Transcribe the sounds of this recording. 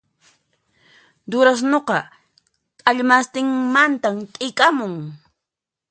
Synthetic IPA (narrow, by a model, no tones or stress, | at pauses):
d̪ʊɾas̬noqɑ | kʼaʎmast̪ɪŋmant̪amk̪ʼɪkʼamʊŋ